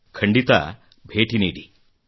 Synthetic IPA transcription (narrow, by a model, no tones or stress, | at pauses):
kʰəɳɖit̪a̰ | bʱeːʈineːɽi